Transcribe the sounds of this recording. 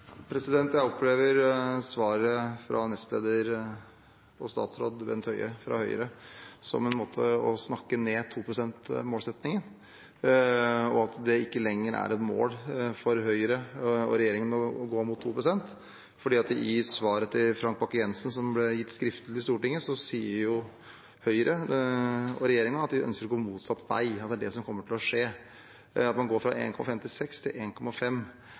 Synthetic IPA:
pʰɾɛsɪd̪ɛnt̪jæɪɔpleːʋəɾsʋɑːɾəfɾʔɑnɛst̪lḛːd̪əɾ | ɔst̪ɑ̰ːt̪sɾo̰ːd̪bɛ̰nʰœʏəfɾɑ̰hœʏə̰ɾəsɔ̰mɛnmoːt̪ʰə̰ɔsnɑkːəneːt̪ʰuːpʰɾʊsɛnt̪moːlsɛt̪nɪŋən | ɔɑt̪d̪ɛɪkːəlɛŋːəɾæ̰ɾɛt̪mo̰ːlfɔɾɦœʏəɾəɔ̰ɾɛjeːɾɪŋənɔɡoːmʊt̪ʰːṵːpɾʊsɛnt̪ | fɔɖiːɑt̪ɪsʋɑːɾət̪ʰɪlfɾɑŋk̚bɑkːəjɛnsn̩sɔmblɛjɪt̪ːskɾɪft̪lɪst̪uːʈɪŋːəsɔsiːəɾjʊ | hœʏəɾʔə | ɔɾɛjeːɾɪŋənɑt̪d̪ɪœ̰nskəɾɔɡoːmuːt̪sɑt̪ːʋæ̰ɪɑt̪̚d̪æɖɛsɔmkʰɔmːəʈʰɪlɔʂeː | ɑt̪mɑnɡoːɾfɾɑʔḛːnkʰɔmɑfɛmt̪ʰɪlsɛkst̪ʰɪlʔeːnkʰɔmːɑfɛm

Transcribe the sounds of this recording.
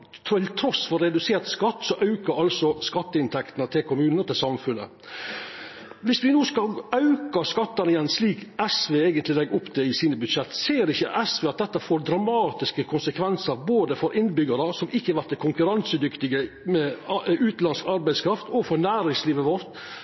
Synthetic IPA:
t̪ʰɾuɪt̪ʰɾɔsfɔɾːɛd̪ʉseːɾt̪skɑt̪ːsɔʔɑʉkəɾɑlsɔskɑt̪ːəɪnt̪ʰɛkt̪nət̪ʰɪlkʰʊmʉːnət̪ʰɪlsɑmfʉnə̰ | ʋɪsʋɪnuːskɑɑʉkɑskɑt̪ːɑnɪjɛnsliːkɛsʋeːeːɡənt̪lɪlɛɡʊpːd̪ɛɪsiːnəbʉd̪ʃɛt̪ːseːɾɪçːəʔɛsʋeːɑt̪̚d̪ɛt̪ːəfoːɾd̪ɾɑmɑːt̪ɪskəkʰʊnsəkʰʋɛnsəɾboːd̪əfɔɾʔɪnbʏɡəɾəsɔmɪçːəɑʋæɾt̪ʰːɪkʰʊŋkʉɾɑnsəd̪ʏkt̪ɪɡə | mɛʉːt̪lɑnskɑɾbæɪskʰɾɑft̪ɔfɔɾnæːɾɪŋsliːʋəʋɔɾt̪

